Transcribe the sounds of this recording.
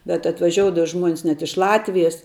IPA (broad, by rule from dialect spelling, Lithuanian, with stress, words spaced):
bʲɛt ɐtʋɐˈʒʲoːʊdɐʋɐ ˈʒmuɔnʲɪs nʲɛt ɪʃ ˈlˠɑːtʲʋʲɪjɛs